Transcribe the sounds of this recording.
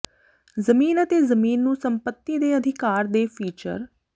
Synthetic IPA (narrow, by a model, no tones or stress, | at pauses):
zəmiːnət̪eːzəmiːnːũːsəmpət̪ːiːd̪eːəd̪ʱɪkaːɾd̪eːpʰiːt͡ʃə̰ɾ